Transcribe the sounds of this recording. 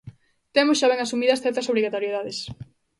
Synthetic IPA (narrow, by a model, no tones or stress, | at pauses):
t̪emʊsʃaβɛŋasumiðɐsθɛɾt̪ɐsoβɾiɣat̪oɾjeðaðes